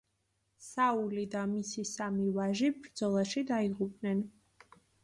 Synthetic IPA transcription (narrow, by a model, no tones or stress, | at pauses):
saulid̪amisisamivaʒibɾd̪zɔlˠaʃid̪aiʁupʼnɛn